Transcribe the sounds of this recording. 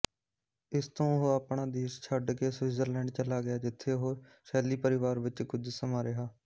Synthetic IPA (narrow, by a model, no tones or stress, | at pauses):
ɪst̪õːɦoːaːpɳaːd̪eːst͡ʃʰəɖkeːsʋɪːzəɾlɛ̃ːɳɖt͡ʃəlaːɡɪjaːd͡ʒɪt̪ʰːeːɦoː | sɛːliːpəɾɪʋaːɾʋɪt͡ʃkʊd͡ʒsəmãːɾɪɦaː